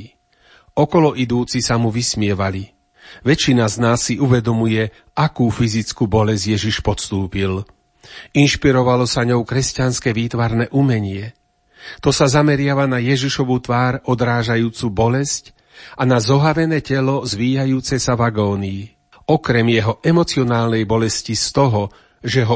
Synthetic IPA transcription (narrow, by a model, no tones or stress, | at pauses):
ɔkɔlɔʔid̪uːt͡sisamuʋismɪɛʋali | ʋɛt͡ʃːinaznaːsːiʔuʋɛd̪ɔmujɛ | ʔakuːfizit͡skuːbɔlɛzɟjɛʒiʃpɔt̪st̪uːpil | inʃpiɾɔʋalɔsaɲɔʊkɾɛscanskɛːʋiːt̪ʋaɾnɛʔumɛɲɪɛ | t̪ɔsazamɛɾɪaʋanajɛʒiʃɔʋut̪ʋaːɾɔd̪ɾaːʒajuːt͡subɔlɛsc | anazɔɦaɾɛnɛːcɛlɔzʋiːjajuːt͡sɛsaʋaɡɔːni | ɔkɾɛmjɛɦɔʔɛmɔt͡siɔnaːlnɛjbɔlɛscist̪ɔɦɔ | ʒɛɦɔ